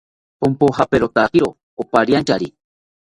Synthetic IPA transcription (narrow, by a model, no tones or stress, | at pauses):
pompohapeɾot̪akiɾo | opaɾiant͡ʃaɾi